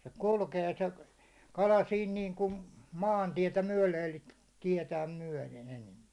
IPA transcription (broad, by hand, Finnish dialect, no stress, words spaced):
se kulkeː se kɑlɑ siːn niːŋkun mɑːntietæ myæ̹le elikæ̥ tiɛtæːm myæ̹len enempi̥